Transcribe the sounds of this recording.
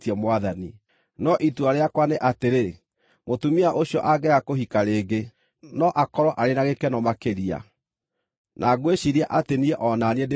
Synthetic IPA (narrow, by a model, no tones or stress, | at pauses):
tɛmwaðani | nɔʔituaɾeakwaneʔateɾe | motumiaʔoɕiɔʔaɡɛakoɦikaɾeːɡe | nɔʔakɔɾɔʔaɾenaɣekɛnɔmakeɾia̰ | nʔaɡweɕiɾiaʔateniɛʔɔnanɛde